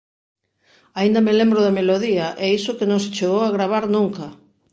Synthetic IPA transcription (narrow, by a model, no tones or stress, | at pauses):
aind̪amelembɾʊðameloðiaʔɛisʊkenõŋs̬et͡ʃeɣowaɣɾaβ̞aɾnũŋkɐ